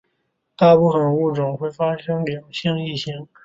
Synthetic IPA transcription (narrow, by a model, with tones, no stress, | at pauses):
t̪a˥˧pu˥˩fə˨˩nu˥˩ʈ͡ʂʊ˨˩ŋxwe˥˩ɪfa˥ʂɤ˥ŋljɑ˨˩ŋɕjɑ˥˧ŋi˥˩ɕi˥ŋ